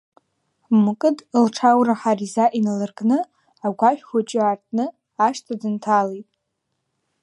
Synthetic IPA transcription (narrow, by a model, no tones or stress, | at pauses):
mɨkʼɨdlʈ͡ʂʰawraħarizaʔinalɨrɡʼnɨ | aɡʷaʃᶣkʷat͡ʃʼɪartʼnɨ | aʃtʰadɨntʰalejtʼ